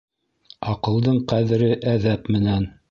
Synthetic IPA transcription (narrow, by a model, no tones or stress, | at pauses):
ɑqɤ̆lˠd̪ɤɴqæðɘ̆ɾɘʔæðæpmɘ̆næn